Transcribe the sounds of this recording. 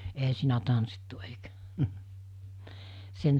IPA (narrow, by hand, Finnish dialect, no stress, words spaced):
eɦæ siːnæ tɑnsːitːu eikæ sen